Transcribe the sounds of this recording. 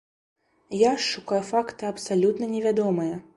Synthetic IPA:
jaʂːukajufakt̪ɨɐpsalʲut̪nɐnʲɛvʲad̪ɔmɐjɐ

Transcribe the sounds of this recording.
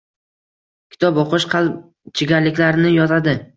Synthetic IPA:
kʲʰɪ̥t̪ʰɒboqɨʃqʰɑlˠ | t͡ʃʰɪɡʲalɪkʲlaɾnɪjɒt̪ʰad̪ɪ

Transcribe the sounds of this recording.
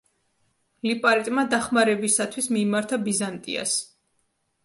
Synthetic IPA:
lipʼaɾit̪ʼmad̪aχmaɾɛbisat̪ʰwismiːmaɾt̪ʰabizant̪ʼḭa̰s

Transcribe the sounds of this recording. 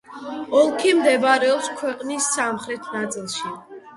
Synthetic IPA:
ɔlˠkʰimd̪ɛbaɾɛɔpskʰwɛqʼnisːamχɾɛt̪ʰnat̪sʼilˠʃi

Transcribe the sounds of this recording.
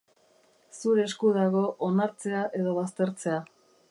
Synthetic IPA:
suɾeːskuðaɣo̞ʔonaɾt͡se̞aʔe̞ðo̞βast̪e̞ɾt͡se̞a

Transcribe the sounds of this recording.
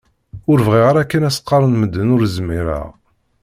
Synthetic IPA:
ʊɾvʁiʁaɾækːənæsə̥qːɑɾˤənməd̪ːənʊɾzmiɾa̰ʁ

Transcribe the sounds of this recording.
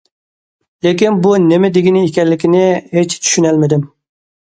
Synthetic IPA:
lekʲinbunɪmɪd̪ɪɡʲinɪekʲɛnlːɪkʲinɪɦet͡ʃt͡ʃ̪ʰy̥ʃynɛlmɪd̪ɪm

